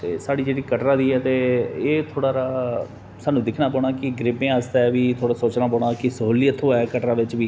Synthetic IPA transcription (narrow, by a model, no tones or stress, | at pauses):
t̪eːsaːɽiːd͡ʒeːɽiːkəʈɾãːd̪iːɛːt̪eːeːt̪ʰoːɽaːɾaː | saːnũːd̪ɪkʰnaːpɔːɽ̃aːkɪɡɾɪbẽːasd̪aɛʋiːt̪ʰoːɽaːsoːt͡ʃnãːpɔːɳaːkɪsəɦoːlɪjət̪ɦoːɛːkəʈɾaːʋɪt͡ʃʋiː